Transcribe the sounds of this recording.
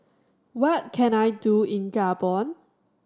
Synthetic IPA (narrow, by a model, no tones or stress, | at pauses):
wɔt̚kʰɛ̃najduĩnɡabɔ̃n